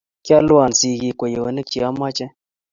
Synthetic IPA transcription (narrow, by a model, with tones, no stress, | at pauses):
kja˦lu˦a˨n˨si˨ɣi˨kʷe˨je˨wə̰˨nə˦k̚t͡ʃi˨a˦ma˦t͡ʃɛ˦